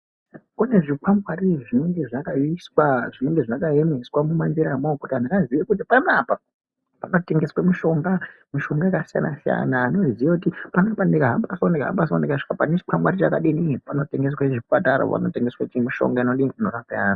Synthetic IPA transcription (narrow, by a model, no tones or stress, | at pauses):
kune̞ʐikʰamɡwariʐine̞ŋɡe̞ʐakaiswaʐine̞ŋɡe̞ʐakaemeswamumanziɾamokutiɦandakaziʋekut̬ipanapa | pano̞te̞ŋɡe̞swamiʃo̞ŋɡa | miʃo̞ŋɡaekasija̰na̰sija̰naːno̞zijakutipanapandekaɦambaswondekaɦa̰mbasondekaʂi̥kapanet͡ʃi̥kwamɡwaɾit͡ʃakaɗinipano̞te̞ŋɡes̬waʐiataɾo̰pa̰no̞̰te̞ŋɡeswat͡ʃimiʃo̞̰ŋɡaino̞ɗinorapaja̰ːna